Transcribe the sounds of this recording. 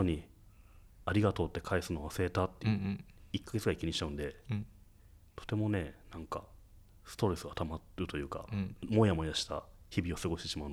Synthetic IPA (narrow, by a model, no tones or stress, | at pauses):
oɲ̟i | aɾʲiɡat̪o̞ːt̪ːe̞kʰaisɨno̞βaseet̪at̪ːeikːaɡe̞t͡sɨɡaikʲiɲĩi̥t͡ɕaɯ̟̃nd̪e̞ | t̪ʰo̞̥t̪e̞mo̞ne̞nãŋka̰ | sɨ̥t̪o̞ɾe̞sɨɡat̪amaɾɯ̟t̪o̞jɯ̟ːka̰mo̞jamo̞id̪aɕi̥t̪a̰çibʲio̞sɨɡo̞ɕi̥t̪e̞ɕimaɯ̟n